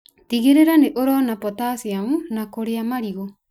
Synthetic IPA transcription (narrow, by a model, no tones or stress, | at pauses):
tiɣeɾeɾaneʔoɾɔnapɔtasiamunakoɾeamaɾiɣo